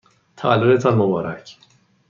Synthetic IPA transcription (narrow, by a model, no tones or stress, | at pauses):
t̪ʰævælːod̪et̪ʰɒnmobɒːɾæ̰cʰ